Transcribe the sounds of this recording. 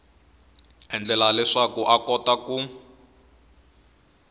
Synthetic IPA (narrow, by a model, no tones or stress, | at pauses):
ɛnd͡ɮɛlalɛʂakuʔakɔtkaku